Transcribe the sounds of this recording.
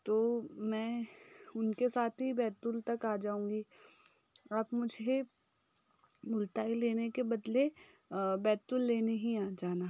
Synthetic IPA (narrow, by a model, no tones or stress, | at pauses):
t̪oːmɛ̃ːʊnkesaːt̪ʰɦibɛːt̪ʊlt̪ɐkaːd͡ʒaːũːŋɡi | ɐpmʊd͡ʒʱe | mʊlt̪aːileːnekebɐd̪le | bɛːt̪ʊlːeːneɦĩaːd͡ʒaːna